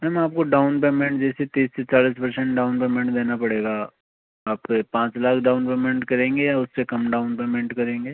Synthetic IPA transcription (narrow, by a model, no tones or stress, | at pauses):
mɛmaːp̚koɖaːʊnp̬eːmẽɳʈd͡ʒɛːset̪iːsːet͡ʃaːliːs̬pɐɾsɛ̃ɳʈ̚ɖaːʊnpeːmɛ̃ɳʈd̪eːnapɐɽeːɡaː | aːp̚kepãːt͡ʃlaːkʰɖaːʊnpeːmẽɳʈkɐɾẽːŋɡejaʊsːekɐmɖaːʊnpeːmɛ̃ɳʈkɐɾẽːŋɡeː